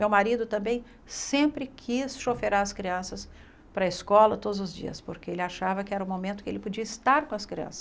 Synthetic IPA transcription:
mewmaɾid̪ʊt̪ɐ̃mbẽj̃ | sẽpɾɪkʰisʃofeɾaɾɐskɾiɐ̃sɐs | pɾɐiskɔlɐt̪od̪ʊzʊzd͡ʒḭɐ̰spoɾkeelɪaʃavɐkɪɛɾɐũmomẽnt̪ʊ̥kɪḛlɪpod͡ʒiɐist̪aɾkõɐskɾiɐ̰̃sɐ̥

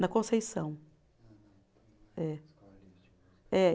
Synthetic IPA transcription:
nɐkõsejsɐ̃w̃ | ɛ | ɛ

